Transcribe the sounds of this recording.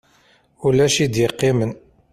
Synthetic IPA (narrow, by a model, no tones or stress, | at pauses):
ulæʃid̪jəqːemən